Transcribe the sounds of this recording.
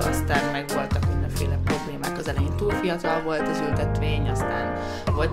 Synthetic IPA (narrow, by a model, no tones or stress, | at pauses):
ɒ̰st̪aːnmɛɡʋo̞lt̪ɒkmind̪ɛɱfḛːlɛpro̞bleːma̰ːkɒzɛlɛjint̪uːlfijɒt̪ɒlvo̞lt̪ɛzylt̪ɛt̪ʋeːɲɒst̪a̰ːn | volt